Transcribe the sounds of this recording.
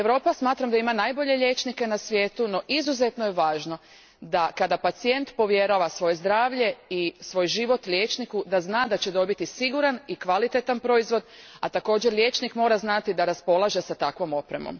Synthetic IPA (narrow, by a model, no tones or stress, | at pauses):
eʋɾo̞ːpasmaːt̪ɾamd̪aimanajbo̞ʎe̞ʎe̞ːt͡ʃnike̞nasʋjeːt̪uno̞ʔizuze̞t̪nojeʋaːʒno̞ | d̪akad̪apat̪sie̞nt̪po̞ʋje̞ɾaʋasʋo̞je̞zd̪ɾaːʋʎe̞isʋo̞jʒiʋo̞t̪ljeːt͡ʃnikud̪aznaːd̪at͡ɕe̞d̪o̞bit̪isiɡuɾanikʋalit̪e̞t̪anpɾo̞izʋo̞d̪at̪ako̞ːd͡ʑeɾlʲʎʲje̞ːt͡ʃnikmo̞ːɾaznat̪id̪aɾaspo̞lˠaʒe̞sat̪akʋo̞mo̞pɾemo̞̰m